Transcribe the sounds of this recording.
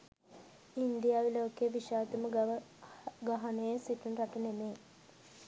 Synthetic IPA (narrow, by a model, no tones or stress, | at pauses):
ind̪ijaːʋiloːkejəʋiʃaːt̪umə | ɡaɦanejesiʈunɾaʈənemeː